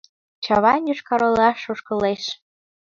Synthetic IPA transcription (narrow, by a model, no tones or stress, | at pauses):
t͡ɕɑβɑnjyʃkɑɾɤ̆lɑʃoʃkɤ̆leʃ